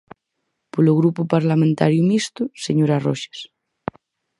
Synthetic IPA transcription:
poloɣɾupopaɾlamẽnt̪a̰ɾjumist̪useɲoɾaroʃe̥s

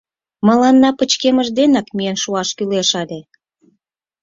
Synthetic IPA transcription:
məlɑnːɑpət͡ɕkeməʒd̪enɑkmiənʃuɑʃkyleʃɑlʲe

